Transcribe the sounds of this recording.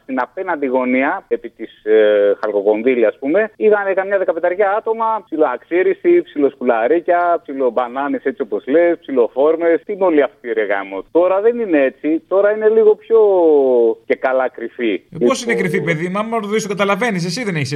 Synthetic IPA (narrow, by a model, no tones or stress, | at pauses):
st̪inɐpe̞nɐnd̪iɣo̞niɐepit̪isxɐlko̞ko̞nðiliɐspume̞iðɐnekɐmɲɐðe̞kɐpe̞t̪ɐɾʝɐɐt̪o̞mɐpsiloɐksiɾisipsilo̞skulɐɾicɐpsilo̞bɐnɐnese̞t͡sio̞po̞zle̞spsilo̞fo̞ɾme̞st̪inoliɐft̪iɾeɣɐmott̪o̞ɾɐðe̞nineet͡sit̪o̞ɾɐine̞liɣo̞pço̞ | ce̞kɐlɐkɾiθiiosinekɾiθipeðimɐmmoɾt̪oðist̪kɐt̪ɐlɐve̞nis̬es̬iðeneçis